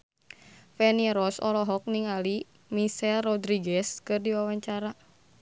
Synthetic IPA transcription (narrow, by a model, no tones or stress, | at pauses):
fɛniɾɔsɔ̰lɔɦɔk̚niŋali | misɛlrɔdɾiɡɛskɨrdiwawaɲt͡ʃaɾa